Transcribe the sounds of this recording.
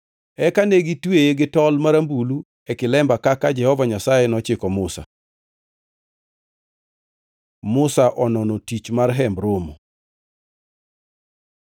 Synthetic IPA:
ɛkaneɡitwejeɡɪtɔlmaɾambulu | ɛkɪlɛmbakakad͡ʒɛhɔvaɲasajɛnɔt͡ʃɪkɔmʊsa̰ | mʊsaʔɔnɔnotit͡ʃmarɦɛmbɾomo

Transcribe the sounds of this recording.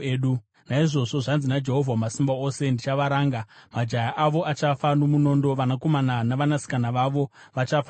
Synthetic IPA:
ɗu | naiʐo̞ʐo̞ʐanzinad͡ʒe̞ɦo̞vʱamasimbaose̞ndit͡ʃaʋaɾaːŋɡamad͡ʒajaʔaʋo̞ʔat͡ʃafanomuno̞ːndo̞ʋanako̞mananaʋanasi̥kanaʋaʋo̞ | ʋat͡ʃafa

